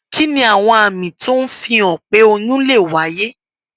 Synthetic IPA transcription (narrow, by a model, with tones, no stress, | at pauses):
ki˨˦nĩ˧a˨w̃ɔ̃˧a˨mĩ˨to˦n̩˦fĩ˧ɔ̃˨k͡pe˨˦o˧ɲũ˦le˦˨wa˨˦je˦